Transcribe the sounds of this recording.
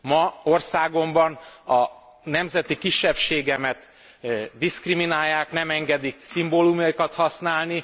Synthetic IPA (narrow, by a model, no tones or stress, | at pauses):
mɒo̞rsaːɡo̞mbɒnɒ | nɛmzɛt̪ikiʃːɛpʃeːɡɛmɛt̪ | d̪iskriminaːjːaːknɛmɛŋɡɛd̪iksimboːlumjɒikɒt̪hɒsnaːlni